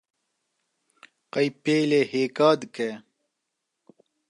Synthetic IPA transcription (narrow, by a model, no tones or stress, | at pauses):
qɐjpeːleheːkaːd̪ke